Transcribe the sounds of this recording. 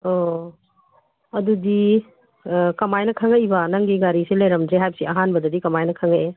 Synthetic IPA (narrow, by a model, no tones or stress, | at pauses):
o | ɐdudi | kɐmajnɐkʰaŋɐjbɐnɐŋɡiɡaɾiselɐjɾɐmdɾeɦajbsiʔɐɦanbɐdɐdikɐmajnɐkʰɐŋɐje